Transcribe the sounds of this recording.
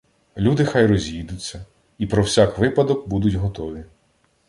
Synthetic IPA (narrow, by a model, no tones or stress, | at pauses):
lʲud̪ɪxajɾɔzʲjid̪ʊt͡sʲːɐ | ipɾɔwsʲakʋɪpɐd̪ɔkbud̪ʊtʲɦɔt̪ɔʋʲi